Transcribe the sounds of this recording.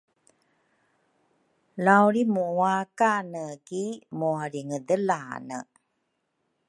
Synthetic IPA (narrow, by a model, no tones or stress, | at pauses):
lawɾimuwakanəɡimuaɾiŋədəla̰nə̰